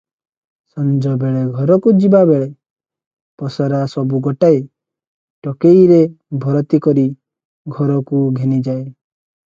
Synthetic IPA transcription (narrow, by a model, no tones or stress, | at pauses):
sɔnd͡ʒɔbeɭeɡʱɔɾɔkud͡ʒibabeɭe | pɔsɔɾasɔbuɡɔʈaj | ʈɔkejɾe | bʱɔɾɔt̪ikɔɾi | ɡʱɔɾɔkuɡʱenid͡ʒae